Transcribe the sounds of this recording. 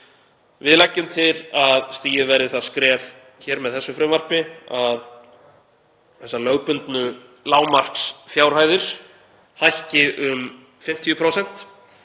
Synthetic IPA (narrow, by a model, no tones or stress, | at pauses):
vɪðlajcːʏmt̪ʰɪlaðst̪iːjɪðvɛɾðɪθaðskɾɛːv | çɛːɾmɛðθɛsːʏfɾɪmvar̥pɪað | θɛsːalœɣpʏnt̪nʏ | laːwmar̥ksfjaːwɾ̥haːjðɪɾ̥ | hajhcɪʔʏm | fɪm̥t̪ʰijʏpʰɾoːwsɛn̥t̪